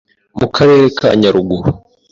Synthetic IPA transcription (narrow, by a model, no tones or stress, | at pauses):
mukʰaɾe̞ːɾeka̰ɲaɾuɡuɾu